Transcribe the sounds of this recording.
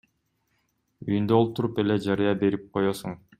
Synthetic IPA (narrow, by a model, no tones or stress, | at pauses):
yjynd̪øolˠt̪uɾupeled͡ʒɑɾɯjɑbe̞ɾip̚qʰo̞josuɴ